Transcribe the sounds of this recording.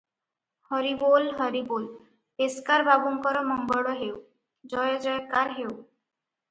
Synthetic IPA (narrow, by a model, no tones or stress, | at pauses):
hɔɾibolɦɔɾibol | eskaɾbabumkɔɾɔmɔŋɡɔɽɔɦew | d͡ʒɔjɔd͡ʒɔjkːaɾɦew